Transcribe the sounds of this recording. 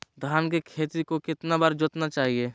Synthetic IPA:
d̪ʱaːnkekʰeːt̪ɾikokɪt̪nabaɾd͡ʒʊt̪nat͡ʃaːɦieː

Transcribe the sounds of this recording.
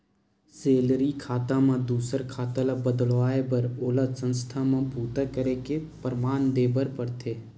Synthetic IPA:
seːlɾikʰaːt̪ãmãd̪uːsəɾkʰaːt̪əlabəd̪əlʋaːebəɾoːlasə̃nst̪ʰamãbuːt̪akəɾekepəɾmaːnd̪eːbəɾpəɾt̪ʰeː

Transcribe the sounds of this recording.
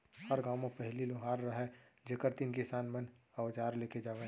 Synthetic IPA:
hɐɾɡaːwmepɛɦliloːɦaːɾːɐɦɛd͡ʒekəɾt̪inkisaːnmənɐʋd͡ʒaːɾleːked͡ʒaːʋe

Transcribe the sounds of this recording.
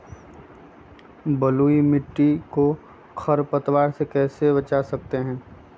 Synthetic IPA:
bɐluːimɪʈːiko | kʰɐɾpɐt̪waːɾsekɛːsebɐt͡ʃasɐk̚t̪eɦɛ̃ː

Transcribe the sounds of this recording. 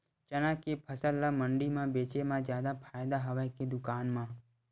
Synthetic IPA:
t͡ʃɐnãkepʰəsəlːamə̃ɳɖimãbeːt͡ʃemãd͡ʒjaːd̪apʰaːjd̪aɦɐʋaked̪ʊkaːnmãː

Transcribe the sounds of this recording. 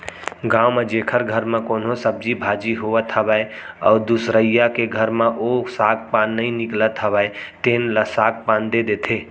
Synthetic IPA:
ɡãumed͡ʒekʰəɾɡʱəɾmekonosəb̚d͡ʒibʱad͡ʒiɦoʋət̪ʰɦəbəe | ɔ̰ːd̪usɾəijakeɡʱəɾmeʔosaɡ̚panːəĩniklət̪ɦəbɛet̪enləsaɡ̚pãnd̪ed̪et̪ʰe

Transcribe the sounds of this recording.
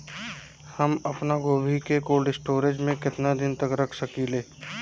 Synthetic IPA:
hɐmɐpnaɡoːbʱikekoːlɖɪsʈoːɾed͡ʒmẽkɪt̪nad̪ɪnt̪ɐkɾɐkʰsɐkiːleː

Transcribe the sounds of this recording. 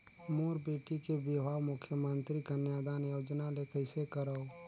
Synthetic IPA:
moːɾbeːʈikebebʱaːʋmʊkʰjəmə̃nt̪ɾikənjaːd̪aːnjoːd͡ʒnalekʰəɪsekəɾəo

